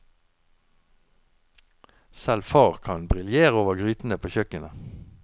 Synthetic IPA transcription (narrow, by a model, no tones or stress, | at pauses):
sɛlfɑːʁkʰɑnbʁɪljeːʁoːʋəʁɡʁyːt̪n̩əpʰoːçœkənə